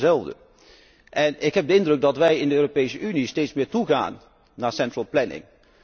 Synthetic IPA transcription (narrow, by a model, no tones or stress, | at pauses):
zɛlˠvdə̰ | ʔɛnɪkɦɛb̚dəɪndrɵɡ̚dɑtʋɛjɪndəøːropejsəʔynistejtsmɪːɹtuɣa̰ːnː | aːɹsɛntɹəlˠplɛnɪ̰ŋ